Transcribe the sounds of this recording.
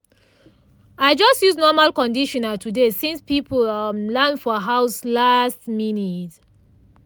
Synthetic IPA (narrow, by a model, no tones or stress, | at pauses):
aɪd͡ʒɔstjuznɔmalkɔ̃ndiʃɔ̃natʰudesĩnspipumlãnfɔɦaʊslastminit